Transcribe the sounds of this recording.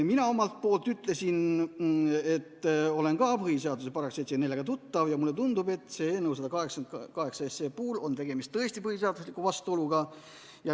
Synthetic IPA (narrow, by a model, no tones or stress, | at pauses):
minɑo̞mɑlt̪̚po̞ːlt̪yt̪ˑle̞sin | e̞t̪ːole̞nkɑpɤɦhise̞ɑd̪usepɑɾɑkset̪senelːeɡ̥ɑt̪ut̪ːɑvjɑmulːet̪und̪̥ube̞t̪ːˑse̞eːnːews̬ɑd̪ɑkɑɦe̞ksɑnt̪kɑɦe̞ksɑeseːpuːlo̞nt̪e̞ɡ̥e̞mist̪ːɤe̞sʲt̪ipɤhiseɑd̪̥uslikːˑuvɑst̪uo̞luɡ̥ɑ | jɑ